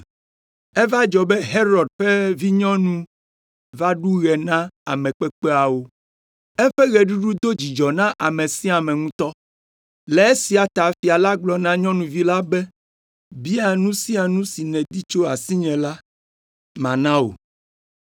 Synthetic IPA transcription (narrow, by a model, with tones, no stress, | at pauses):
ɛ˦va˦d͡ʒɔ˨bɛ˦ɦe˦ɾɔ˨d̚ɸe˦vi˦ɲɔ̃˦nũ˦ | va˦ɖu˦ɣɛ˨nã˦a˨mɛ̃˨k͡pe˦k͡pe˦a˨wo˦ | ɛ˦ɸɛ˦ɣɛ˨ɖu˦ɖu˦d̪o˦d͡ʑi˨d͡ʒɔ˨nã˦ʔa˨mẽ˨sĩ˦a˨mɛ̃˨ŋũ˦t̪ɔ˦ | lɛ˨e˦si˨a˨t̪a˨fi˨a˨la˦ɡ͡blɔ˨nã˦ɲɔ̃˦nũ˨vi˦la˦bɛ˦ | bi˦a˨nũ˦sĩ˦a˨nũ˦si˨nɛ̃˨d̪i˦t͡ʃo˦a˨si˦ɲɛ̃˨la˦ | mã˨nã˦o̰˨